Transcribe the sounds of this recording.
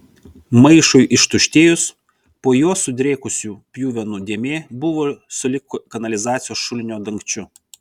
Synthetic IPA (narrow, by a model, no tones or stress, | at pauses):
mɐɪʃʊjʔɪʃt̪ʊʃʲt̪ʲeːjʊs | poːjuɔsʊd̪ʲɾʲeːkʊsʲuːpʲjuːʋʲɛnʊd̪ʲeɛmʲeːbʊʋosʊlʲɪkʊkɐnɐlʲɪzɑːt̪sʲɪjoːsʃʊlʲɪnʲoːd̪ɐŋʲkt͡ʃʲʊ